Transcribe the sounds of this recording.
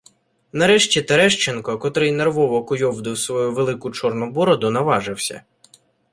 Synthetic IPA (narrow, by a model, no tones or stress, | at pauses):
nɐɾɛʃt͡ʃʲit̪eɾɛʃt͡ʃenkɔkɔt̪ɾɪjnerʋɔʋɔkʊjɔwd̪ɪwsʋɔjuʋelˠɪkʊt͡ʃɔrnʊbɔɾɔd̪ʊnɐʋɑʒɪwsʲɐ̰